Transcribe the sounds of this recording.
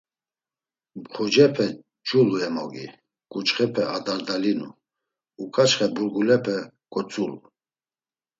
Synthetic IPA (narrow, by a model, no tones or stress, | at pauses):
mχud͡ʒɛpʰɛ | d͡ʒʼuluɛmɔ̰ɡḭ | kʼut͡ʃχɛpʰɛad̪aɾd̪alinṵ | ukʰʼat͡ʃχɛbuɾɡulɛpʰɛ | kʼɔt͡sʼulu